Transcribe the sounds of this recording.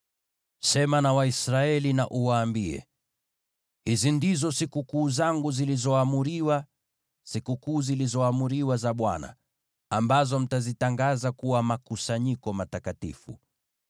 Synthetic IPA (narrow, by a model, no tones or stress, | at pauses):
sɛmanawaisɾaɛlina̰ʔuwaːmbiɛ̰ | hizindizɔsikukuːzaŋɡuzilizɔamuɾiwa | sikukuːzilizɔamuɾiwazaɓwana̰ | ambazɔm̩tazitaŋɡazakuwamakusaɲikɔmatakatḭfṵ